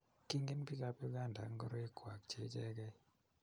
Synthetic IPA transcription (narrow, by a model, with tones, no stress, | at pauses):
ki˦ŋɡɪ˦npi˦ka˦pi˦ɡa˦˨nda˨ŋɡɔ˦ɾo˦e˦kwa˨kt͡ʃe˦t͡ʃɛ˦ɡɛ˦